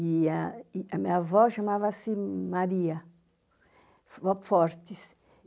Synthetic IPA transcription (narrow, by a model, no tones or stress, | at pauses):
iaamiavɔʃamavɐsimaɾiɐ | vɔpfɔɾt̪is